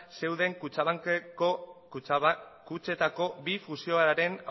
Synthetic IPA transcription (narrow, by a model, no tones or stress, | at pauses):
se̞wðe̞ŋkut͡ʃaβaŋk | kut͡ʃe̞t̪ako̞bifusio̞aɾaɾe̞na